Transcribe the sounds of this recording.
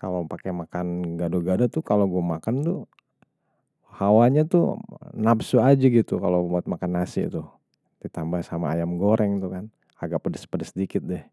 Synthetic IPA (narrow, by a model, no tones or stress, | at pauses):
ka̰lopakɛmakanɡadoɡadot̪ukaloɡuamakant̪ʊ | hawaɲat̪ʊ̰napsuad͡ʒaɡit̪ukalobut̪̚makanːasɪ̰t̪ʊ | dit̪ambahsamaːjamɡoɾɛŋt̪ukan | aɡapədəspədəsədikɪt̪̚dɛh